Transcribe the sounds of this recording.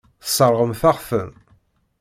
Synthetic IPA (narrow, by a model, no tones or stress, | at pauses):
θsˤːəɾˤʁəmθæʁfəm